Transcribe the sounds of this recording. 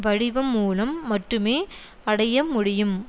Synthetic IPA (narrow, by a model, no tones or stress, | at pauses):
ʋɐɻɪʋɐmːuːlɐmːɐʈrɯmeː | ɐɽɐjɐmʊɽɪjɯm